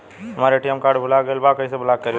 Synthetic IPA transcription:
ɦɐmaːɾeʈijəmkaːɾɖbʱʊlaɡəelbakəĩsebʱʊlak̚kəɾ

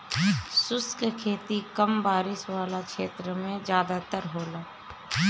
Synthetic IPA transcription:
sʊskkʰeːt̪ikəmbaːɾɪʃwaːlakʃeːt̪ɾəmẽd͡ʒjaːd̪at̪əɾɦoːlaː

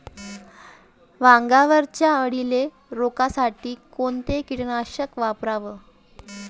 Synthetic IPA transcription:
ʋaŋɡaʋəɾt͡ɕjaəɽile | ɾokasaʈiːkont̪ekiɽɳaɕəkʋapɾaʋə

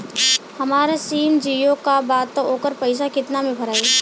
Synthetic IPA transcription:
hɐmaːɾesiːmd͡ʒiːjõkabaːt̪ːoːkəɾpɐɪs̬akɪt̪namẽbʱɐɾaːi

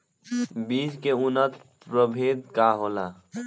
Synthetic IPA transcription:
biːskeʊnət̪ | pɾəbʱeːd̪kaɦoːlaː

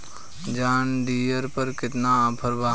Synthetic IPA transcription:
d͡ʒaːnɖiːjəɾpəɾkɪt̪naːpʰəɾbaː

